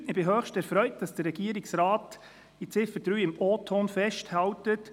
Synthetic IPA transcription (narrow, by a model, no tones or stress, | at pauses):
ɪb̥ɪɦøːxʃtɛɾfɾœʏt̚d̥ɑsd̥əɾːɛɡ̥iəɾɪksɾaːt | it͡sɪfəɾd̥ɾyːɪmɔːtʰonfɛʃthɑwtət